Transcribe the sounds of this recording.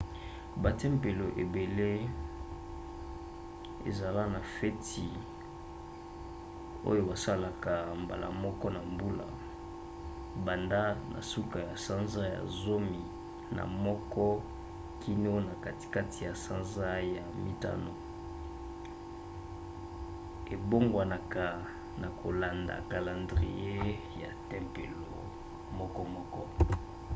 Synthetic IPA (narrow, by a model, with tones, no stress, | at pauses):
ba˨tɛ˦mpe˨lo˨ʔe˨be˨le˦ | ḛ˨za˨la˦na˨fɛ˦tʰi˨ | o̰˦jo˦ba˨sa˦la˨ka˨mba̰˨lʔa̰˨mɔ˦kɔ˦na˨mbu˦la˨ | ba˨nda˦nʔa̰˨su˦ka˨ja˨sa˦nza˦ja̰˨zo˦mi˨ | na̰˨mɔ˦kɔ˦ | kʰi˦no˦na˨ka˦ti̥˨ka˦ti˨ja˨sa˦nza˦ja˨mḭ˦ta̰˦no˨ | e˨bo˦ŋɡwa˨na˨ka˨ | na˨kʰo˨la˨nda̰˨ka˨la˨ndʁi˨je˦ | ja̰˨tɛ˦mpḛ˨lo̰˨ | mɔ˦kɔ˦mɔ˦kɔ˦